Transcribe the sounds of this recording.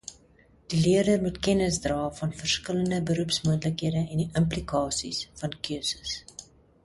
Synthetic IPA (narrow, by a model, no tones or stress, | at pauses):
d̥iliərdəmutkɛnəsdrɑːfɐnfərskələndəbəɾupsmuəntləkɦiədəɛndiʔəmplikɑːsḭsfɐnkøəsə̥s